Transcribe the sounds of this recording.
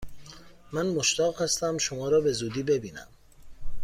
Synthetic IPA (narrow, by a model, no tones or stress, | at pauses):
mænmoʃt̪ɒːɣhæst̪æmʃomɒːɾɒːbe̞zuːd̪iːbe̞biːnæ̰m